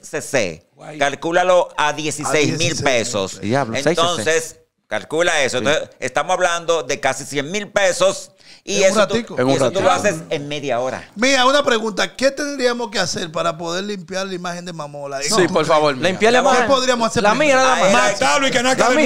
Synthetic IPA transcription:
sesḛ | kalkulalo̞aðje̞sisejzmilpeso̰saent̪o̞nses | kalkulaesoent̪oesest̪amosaβland̪o̞ðe̞kasisjeŋmilpe̞so̞s | iesat̪ikoeot̪uuloaseseŋmeðjao̞ɾa̰miɾaunapɾeɣunt̪ake̞t̪end̪ɾiamoskease̞ɾpaɾapo̞ðe̞ɾlimpjaɾlaimahend̪emamolaesipoɾfaβoɾlaimpjalaimakepoðɾiamosaseamieɾaamat̪alwikenoajkam

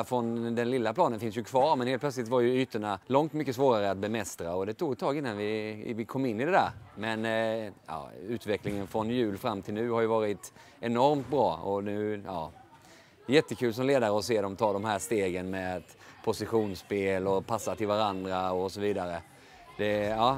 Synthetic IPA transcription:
fɾɔnd̪ɛnlɪlːapʰlɑːnənfɪns̬jɵkʰvɑːɾmɛnheːlt̪pʰlœt̪slɪt̪vaɾjɵyːt̪əɳalɔŋt̪mʏkːəsvoːɾaɾəat̪̚bɛmɛst̪ɾaɔd̪ɛt̪ʰuːɡt̪ʰːɑːɡɪnːanvɪvɪkʰɔmːɪnːɪd̪ɛd̪æːɾmɛnɑ̰ːʉ̟ːt̪vɛklɪŋənfɾɔnjʉ̟ːlfɾamːt̪ʰɪlnʉ̟ːhaɾjɵvɑːɾɪt̪ | ɛnɔɾmt̪̚bɾɑːɔnʉ̟ːɑ̰ː | jɛt̪ːəkʰʉ̟ːls̬ɔmleːd̪aɾəɔseːd̪ɔmt̪ʰɑːd̪ɔmɦæːʂt̪eːɡənmɛt̪ | pʰʊsɪɧuːnspeːlɔpʰasːat̪ʰɪlvaɾand̪ɾaɔsɔviːd̪aɾə | d̪̥ɛɑː

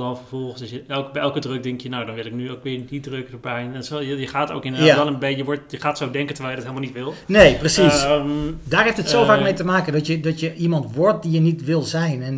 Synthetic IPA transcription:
dɔnfəɹvɔlˠəsɔsjəɛlˠkbɛɛlˠkədrøk̚dɪŋkjənowdɔnʋɪlˠɪk̚nyowkʋɪɹdidrøkdəbɛjnɛsojəjəχaːto̰wkɪnəadɔnəbɛjjəʋɔɹtjəχaːtsoɪdɛŋkəntərʋɛjljədɔtɦeːlˠəmalˠnitʋɪlˠnejprəsis | daːrɦeftətsoːvaːkmejtəmaːkəndɔtjədɔtjəʔimɑntʋʊrt̚dijənitʋɪlˠzɛjnɛn

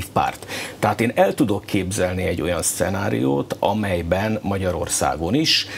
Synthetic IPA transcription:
fpa̰ːrt̪ːɛɦaːt̪eːnɛlt̪ud̪o̞kʰːeːbzɛlniɛɟːo̞jɒnst̪sɛnaːɾḭjo̰ːt̪ɒ̰mɛjbɛnmɒɟɒɾo̞̰rsa̰ːɡo̞niʃ

